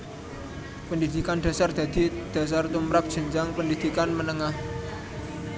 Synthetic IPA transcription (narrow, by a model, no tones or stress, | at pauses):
pənd̪id̪̥i̤kand̪̥a̤sard̪̥a̤d̪̥i̤d̪̥a̤s̬art̪umɾap̚ʒ̥ə̤ɲd͡ʒaŋpənd̪id̪̥ikanmənəŋah